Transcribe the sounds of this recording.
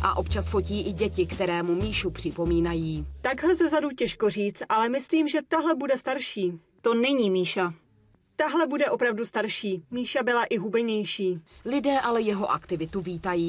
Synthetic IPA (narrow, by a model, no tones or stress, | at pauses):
ʔa̰ʔo̞pt͡ʃasfo̞ciːʔɪɟɛcɪkt̪ɛɾɛːmumiːʃupr̝̥ɪpo̞miːnajiːt̪aɡɦlɛzɛzaducɛʃko̞r̝iːt͡st̪ʔalɛmɪsliːmʒɛt̪aɦlɛbudɛst̪aɾʃiː | t̪o̞nɛɲiːmiːʃa | t̪aɦlɛbudɛʔo̞pɾavdust̪aɾʃiːmiːʃabɪlaʔɪɦubɛɲɛjʃiːlɪdɛːʔalɛjɛɦo̞ʔa̰kt̪ɪvɪt̪uviːt̪ajiː